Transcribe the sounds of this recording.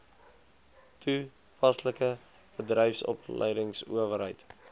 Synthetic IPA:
tʰu | pɐsləkə | b̥ədrɛjfsɔ̰plə̰jdəŋsṵəvəɾɦəjt

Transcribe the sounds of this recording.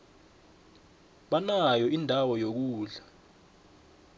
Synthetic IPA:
ɓanajɔindʱawɔjok̬uːɮa

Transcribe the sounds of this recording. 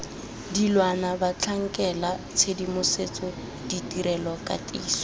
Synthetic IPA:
dilwanabat͡ɬʰaŋ̩kʼɛla | t͡sʰedimʊset͡sʼɔ | ditʼiɾɛlɔkʼa̰tʼiːsɔ̥

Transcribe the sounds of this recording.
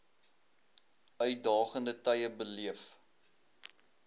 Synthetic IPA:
œɥdɑːχəndətɛjəbəliəf

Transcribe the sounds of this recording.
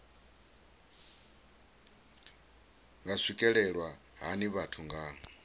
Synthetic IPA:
ŋɡasʷikʼɛɺɛɺwa | ɦaniβatʰuŋɡaːŋ

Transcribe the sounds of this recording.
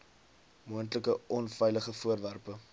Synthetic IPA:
muəntləkəʔɔnfɛjləχəfuərværpə

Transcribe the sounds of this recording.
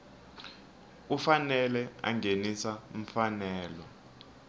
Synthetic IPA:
ufanɛlɛa̰ŋɡenisam̩fanɛːlɔ

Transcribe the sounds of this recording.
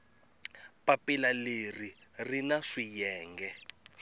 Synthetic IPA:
papilaleri | rinaʂijɛːŋɡɛ

